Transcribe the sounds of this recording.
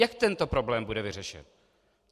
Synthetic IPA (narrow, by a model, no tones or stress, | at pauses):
akt̪ɛnt̪o̞pɾo̞blɛːmbudɛvɪr̝ɛʃɛ̰n